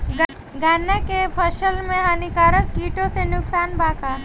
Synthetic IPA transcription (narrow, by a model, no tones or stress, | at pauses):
ɡaːnekepʰəʃəlmẽɦaːnikaːɾəkkiːʈõsenʊksaːnbaːkaː